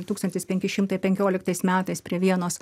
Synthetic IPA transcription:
t̪uːkst̪ɐnʲt̪ʲɪspʲɛŋʲkʲɪʃʲɪmt̪ɐɪpʲɛŋʲkʲoːlʲɪkt̪ɐɪsmʲæːt̪ɐɪspʲɾʲiɛʋʲiɛnoːs

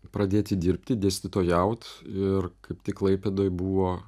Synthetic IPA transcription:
pɾɐd̪ʲeːt̪ʲɪd̪ʲɪɾʲp̚ʲt̪ʲɪd̪ʲeːsʲt̪ʲɪt̪oːjɛʊt̪ɪrkɐɪp̚t̪ʲɪklˠɐɪpʲeːd̪oːjbuːʋoː

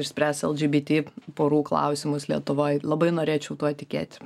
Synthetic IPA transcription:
ɪʃʲsʲpʲɾʲæsɛ̰lˠd͡ʒʲiːbʲiːt̪ʲiːpoːɾuːklˠɐ̰ʊsʲɪmʊslʲiɛt̪ʊʋoɪlˠɐbɐɪnoːɾʲeːt͡ʃʲɛʊt̪uɔt̪ʲɪkʲḛːt̪ʲ

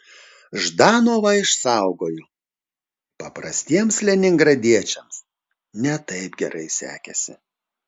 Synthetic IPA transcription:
ʒd̪ɑːnoːʋɐɪʃsɑˑʊɡoːjʊ | pɐpɾɐsʲt̪ʲiɛmslʲɛnʲɪŋɡɾɐd̪ʲiɛt͡ʃʲɛms | nʲɛt̪ɐɪpɡʲɛ̰ɾʔɐɪsʲæ̰ːkʲɛsʲɪ

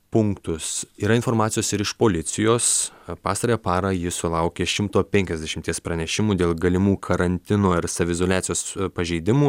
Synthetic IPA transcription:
pʊŋkt̪ʊsiːɾɐɪnfoːɾmɑːt̪ʲɪjoːsɪɾɪʃpoːlʲɪt̪sʲɪjoːs | pɑːsɐɾʲeːpɑːɾɐjɪsʊlˠɐʊkʲeːʃʲɪmt̪oːpʲɛŋʲkʲɛzʲd̪ʲɛʃʲɪmʲt̪ʲiɛspɾɐnʲɛʃʲɪmuːd̪ʲeːlˠɡɐlʲɪmuːkʰɐɾɐnʲt̪ʲɪnoːɪɾsɐʋʲɪzoːlʲæːtsʲɪjoːspɐʒʲɛɪd̪ʲɪmuː

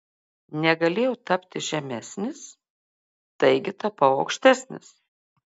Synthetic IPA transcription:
nʲɛɡɐlʲeːjɛʊt̪ɐpʲt̪ʲɪʒʲɛmʲæsʲnʲɪs | t̪ɐɪɡʲɪt̪ɐpɐʊɐʊkʃʲt̪ʲæːsʲnʲɪ̰s

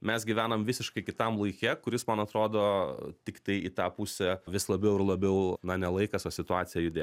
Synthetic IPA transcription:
mʲɛsɡʲɪʋʲæːnɐmʋʲɪsʲɪʃkɐɪkʲɪt̪ɐmlˠɐɪkʲɛkʊɾʲɪsmɐnɐt̪ɾoːd̪oːt̪ʲɪkt̪ɐɪit̪ɑːpʊsʲɛʋʲɪslˠɐbʲɛʊɪɾlˠɐbʲɛʊnɐnʲɛlˠɐɪkɐsoːsʲɪt̪ʊɑːsʲɪjɛjʊd̪ʲeː

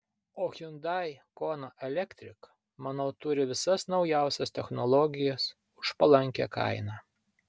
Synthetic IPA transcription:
oːxʲʊnd̪ɑˑjkoːnoʔɛlʲɛkʲt̪ʲɾʲɪk | mɑːnɐʊt̪ʊɾʲɪʋʲɪsɐsnɒʊjæˑʊsʲɛst̪ʲɛxnɔlˠɔɡʲɪjɛs | ʊʃpɐlˠɐŋʲkʲɛ̰ːkɐ̰ˑɪnɑː

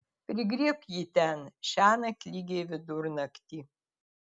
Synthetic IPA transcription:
pʲɾʲɪɡɾʲiːkjiːt̪ʲɛnʃʲæːnɐkʲlʲiːɡʲeːʋʲɪd̪ʊɾnɐkt̪ʲiː

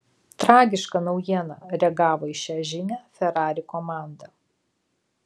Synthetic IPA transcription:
t̪ɾɑːɡʲɪʃkɐnɒʊjiɛnɑɾʲɛɡɑːʋoːɪʃʲæːʒʲɪnʲæːfʲɛɾɑːɾʲɪkɔmɑˑnd̪ɐ

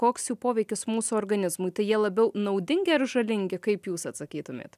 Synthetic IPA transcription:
koːksjuːpoːʋʲɛɪkʲɪsmuːsʊoɾɡɐnʲɪzmʊɪt̪ɐɪjiɛlˠɐbʲɛʊnɐʊd̪ʲɪŋʲɡʲɪɐɾʒɐlʲɪŋʲɡʲɪkɐɪpjuːsɐt̪sɐkʲiːt̪ʊmʲḛːt̪

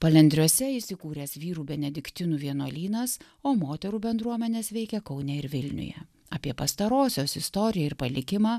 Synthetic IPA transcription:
pɐlʲɛnʲd̪ʲɾʲuɔsʲɛɪsʲɪkuːɾʲeːsʋʲiːɾuːbʲɛnʲɛd̪ʲɪkt̪ʲɪnuːʋʲiɛnuɔlʲiːnɐs | oːmoːt̪ʲɛɾuːbʲɛnd̪ɾuɔmʲɛnʲeːsʋʲɛɪkʲɛkɒʊnʲɛɪɾʋʲɪlʲnʲʊ̰jɛ̰ | ɐːpʲiɛpɐst̪ɐɾoːsʲoːsɪst̪ɔɾʲɪjɛɪɾpɐlʲɪkʲɪmɑː

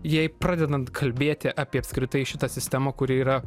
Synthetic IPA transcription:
jɛɪpɾɑːd̪ʲɛd̪ɐnt̪kʰɐlʲbʲeːt̪ʲɪʔɑːpʲiɛɐpskɾʲɪt̪ɐɪʃʲɪt̪ɐsʲɪsʲt̪ʲæmɐkʊɾʲɪiːɾɐ

